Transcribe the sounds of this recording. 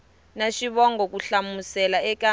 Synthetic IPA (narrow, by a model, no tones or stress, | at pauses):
naʃiɓɔŋɡɔk̬uɬamusɛlaɛka